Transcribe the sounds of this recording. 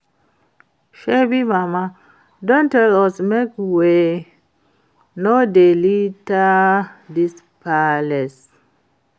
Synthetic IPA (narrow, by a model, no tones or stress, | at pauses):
ʃebimama | dɔ̃ntɛlɔsmekwe | nodelitadis | pʰalɛs